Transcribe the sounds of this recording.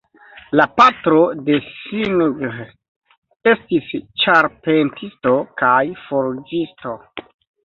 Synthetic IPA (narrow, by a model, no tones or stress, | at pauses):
lapatɾo̞de̞sinɡɾ | e̞stist͡ʃaɾpe̞ntʰisto̞kajfoɾd͡ʒisto̞